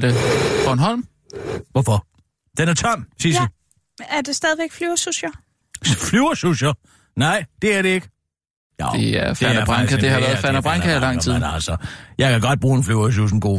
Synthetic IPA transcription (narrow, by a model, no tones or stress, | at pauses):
d̥efɒnɦɒl̰m | ʋɒfɒ | d̥enæɐt͡sʰɒm̰siɐi | æɐd̥e̝sd̥ɛð̞ˠʋeɡ̥flyɐsusɐ | flyʊɐsusɐ | nɑ̈ɪ̰d̥e̝æɐɾe̝e̝ɡ̥ə | jeæfænæɐb̥ʁɑŋkʰɐd̥e̝hɑ̈ʋæːɐðfæɐnæb̥ʁɑŋkʰæilɑ̈ŋ̰t͡sʰiðˠnælsɒjɑ̈ɪkʰæɡ̥ɒ̽d̥̚b̥ʁṵːe̝nflyʊɐs̬us̬n̩ɡ̥o̝̰ː